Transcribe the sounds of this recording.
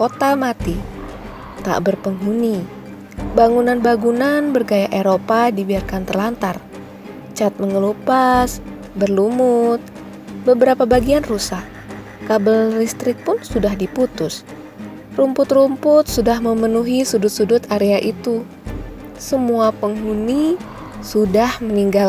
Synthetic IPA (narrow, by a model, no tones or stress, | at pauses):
kot̪amat̪i | t̪a̰ʔbərpəŋɦuni | baŋunanbaɡunanbərɡajaʔeɾopadibiarkant̪ərlant̪ar | t͡ʃat̪̚məŋəlupas | bərlumʊt̪̚ | bəbəɾapabaɡianrusak | kabəllist̪ɾɪk̚pʊnsudahdiput̪ʊs | rumpʊt̪rumpʊt̪̚sudahməmənuɦisudʊt̪̚sudʊt̪aɾeaʔit̪u | səmuapəŋɦuni | sudahməniŋɡal